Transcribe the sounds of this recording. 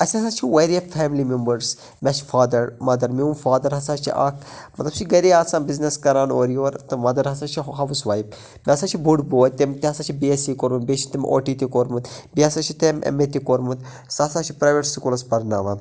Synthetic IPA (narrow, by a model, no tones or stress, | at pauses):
ɐsʲɐsaːt͡ʃʰiweɾiɐfɛːmilimembəɾs | mʲat͡ʃʰfaːd̪ɐɾmɐd̪ɐɾmiunfaːd̪ɐɾɦɐsaːt͡ʃʰḭʔa̰ːkʰmɐt̪lɐb̚t͡ʃʰiɡɐɾeaːsaːnbizneskɐɾaːnoːɾijoːɾt̪ɨmɐd̪ɐɾɦɐsat͡ʃʰiɦɐʋusʋaːjip̚ | mʲasaːt͡ʃʰibuɖboːjʲt̪emt̪iɦɐsaːt͡ʃʰibiesiːkoːɾmɨt̪bet͡ʃʰit̪emʔo̰ːʈiːt̪ikoːɾmɨt̪biɐsat͡ʃʰit̪emʔḛmet̪ikoːɾmut̪ | saːsat͡ʃʰi̥pɾaːjʋeʈskulɐspɐɾna̰ːʋaːn